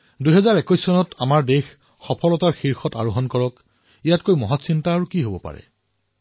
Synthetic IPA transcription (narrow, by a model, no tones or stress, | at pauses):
dujɦɛzaɹɛkɔjsːɔnɔtamaɹdex | xɔpʰɔlɔtaɹxiɹxɔta̰ɹoɦɔnkɔɹɔk | ijatkojmɔɦɔtsintaːɹukiɦobɔpa̰ɹɛ̰